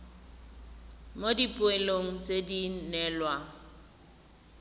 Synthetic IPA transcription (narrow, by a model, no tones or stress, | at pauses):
modipʼʊeloŋ̩t͡sʼedinɛːlwa